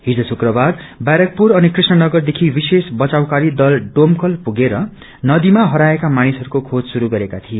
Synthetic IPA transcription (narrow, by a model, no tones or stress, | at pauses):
ɦid͡zosukrʌbarbaɾʌk̚puɾʌnikrisnʌnʌɡʌrd̪ekʰibisesbʌt͡saw̃kaɾid̪ʌlɖomkʌlpuɡeɾʌ | nʌd̪imaɦʌɾaekamanisɦʌɾukokʰod͡zsuɾuɡʌɾekat̪ʰie